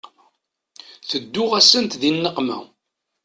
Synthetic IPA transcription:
θəd̪ːʊʁæsənt̪ðinːəqmæ̰

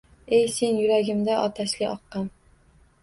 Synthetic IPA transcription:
ejse̞njʊɾaɡʲɪmd̪aʔɒt̪ʰaʃlɪʔɒqːɑn

